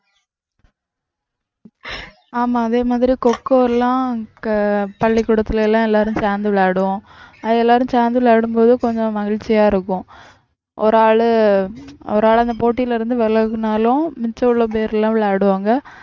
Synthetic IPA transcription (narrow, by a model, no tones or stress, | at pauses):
aːmaːɐðeːmaːðɪɾikɔkːoːɛlːãː | pɐɭːɪkːʊɽɐt̪ːɯlɛlːãːɛlːaːɾɯ̃t͡ʃaːnd̪ɯʋɭːɽɯʋʊ̃ | ɐðɛlːaːɾɯ̃t͡ʃaːnd̪ɯʋɭaːɽɯmpoːðɯkɔɲd͡ʒɔ̃mɐɣɪɻt͡ʃːɪjaːɪɾɯkːʊ̃ | ʔɔ̰ɾaːɭɯ | ɔ̰ɾɯaːɭɐnd̪ɐpoːʈ̬ːijɪlɐɪɾɯnd̪ɯʋɛlɐɣɯnaːlʊ̃mɪt͡ʃɐʊɭːop̬eːɾlːãːʋɪɭːɽɯʋaːŋɡɐ